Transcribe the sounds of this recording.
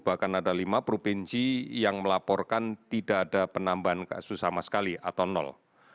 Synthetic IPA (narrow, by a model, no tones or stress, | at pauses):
b̥ahkanadalimapɾopinsijaŋməlapɔrkant̪idaʔːdapənambaɦanka̰susamasə̥kaliʔat̪awnɔ̰l